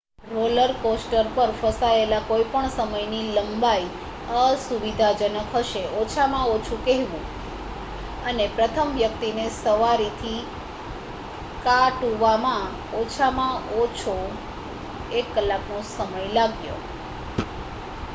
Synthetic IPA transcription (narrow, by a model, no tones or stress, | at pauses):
ɾoləɾkosʈəɾpəɾfəsaelakoipəɳsəməjniləmbai | əsuʋid̪ʱad͡ʒənəkɦəʃeʔot͡ʃʰamãot͡ʃʰũkɛɦʋũ | ənepɾət̪ʰəmʋjəkt̪inesəʋaɾit̪ʰi | kaʈuʋamã | ot͡ʃʰamãot͡ʃʰo | ekːəlːaknosəməjlaɡjo̰